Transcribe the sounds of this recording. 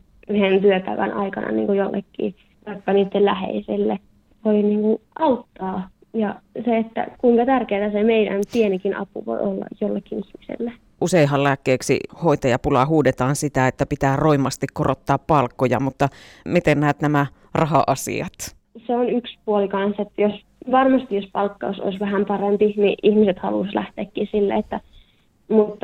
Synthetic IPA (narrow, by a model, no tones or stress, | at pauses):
yhent̪yøpæiʋænɑikɑnʔɑ̰nḭːŋkojolːḛkːḭː | t̪ɑikːɑniːt̪ːellæhḛiselːe | ʋoiniːŋkuʔɑut̪ːɑː | jɑseet̪ːæ̰kuiŋkɑt̪ærkeːt̪æsemeidæ̰nt̪ienikinɑ̰pṵʋo̰iolːɑ̰jjolːekːinihmisḛlːe | ʔuseiɦɑllæːkːeːksḭhoit̪ɑjɑpulɑɦuːdet̪ɑːnsit̪æet̪ːæpit̪æːroimˑɑst̪ikkorot̪ːɑːppɑlkːojɑ̰mut̪ːɑmit̪ennæːt̪næmæ | rɑɦɑ̰ʔɑsḭɑ̰t̪ | seonykspuolikɑnset̪ːjos | ʋɑrmɑst̪ijjospɑlkːɑoso̰isʋæhæmpɑrempinḭʔihmiset̪hɑ̰luslæht̪eːkːisilːæ̰et̪ːæ | mut̪ː